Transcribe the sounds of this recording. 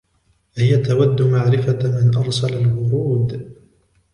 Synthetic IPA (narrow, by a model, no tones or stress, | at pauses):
hɪjat̪awad̪ːʊmaʕɾɪfamɪnʔɑɾˤsalalwʊɾuːd̪